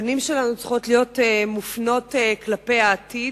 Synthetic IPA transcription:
nimʃelanut͡sχo̞tlijo̞temufno̞teklape̞jaːtid

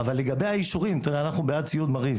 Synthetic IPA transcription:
avalːe̞ɡabe̞jaiʃuʁimt̪iʁeanaχnubejad̚t͡sijud̪maʁiv

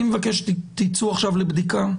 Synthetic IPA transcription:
imevakeʃt̪it͡suaχʃavlebd̪ika

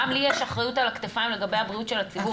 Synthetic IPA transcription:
amlijeʃaχʁajutalakt̪efaimle̞ɡabejhabʁiutʃe̞lat͡sibu

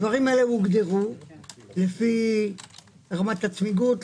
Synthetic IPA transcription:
vaʁimaelemuɡd̪eʁu | lefi | ʁamat̪at͡smiɡut

